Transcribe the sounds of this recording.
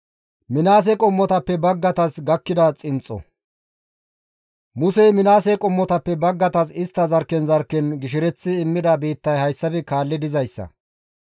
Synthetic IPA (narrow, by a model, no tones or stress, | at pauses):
mɪnaːs̬ɛkʼɔmːɔt̪ɐpːɛbɐɡːɐt̪ɐsɡɐkːɪd̪ɐt͡sʼɪnt͡sʼːɔ̰ | mʊsɛjmɪnaːsɛkʼɔmːɔt̪ɐpːɛbɐɡːɐt̪ɐsɪst̪ːɐzɐɾkːɛnzɐɾkːɛnɡɪʃɪɾɛt͡sːɪːmːɪd̪ɐbiːt̪ːɐjhɐjsːɐbɛkaːlːɪd̪ɪzɐjsːɐ̰